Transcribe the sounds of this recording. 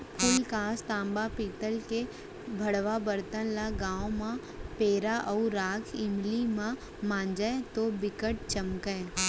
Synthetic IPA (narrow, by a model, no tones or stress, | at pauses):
pʰʊːlkaːst̪ãːmbapiːt̪əlke | bʱəɽʋabəɾt̪ə̃nlaɡãːõmã | peːɾaʔɔʊɾaːkʰɪmlimã | mãːnd͡ʒaet̪obɪkəʈ̚t͡ʃəmkəe